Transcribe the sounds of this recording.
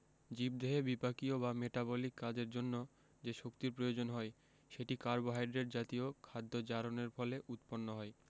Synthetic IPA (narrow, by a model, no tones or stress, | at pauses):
d͡ʑib̚d̪eɦebipakiobameʈabolikːad͡ʑeɾd͡ʑonːo | d͡ʑeʃokt̪iɾpɾojod͡ʑonɦɔe | ʃeʈikaɾboɦajɖɾeɾd͡ʑat̪iokʰad̪ːod͡ʑaɾoneɾfɔleʔut̪ponːoɦɔe